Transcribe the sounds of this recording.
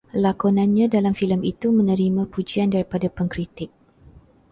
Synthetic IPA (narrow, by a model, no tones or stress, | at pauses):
lakonãnɲãdalamfiləmit̪umə̃nə̃ɾimãpud͡ʒiandaɾipadapəŋkɾit̪ɪk̚